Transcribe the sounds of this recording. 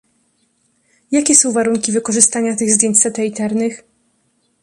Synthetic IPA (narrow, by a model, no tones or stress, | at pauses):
jakʲɛsɔ̃w̃vaɾuŋkʲivɘkɔʐɘst̪aɲat̪ɘɣzd̪ʲjeɲt͡ɕsɛt̪ɛit̪ɛɾnɘx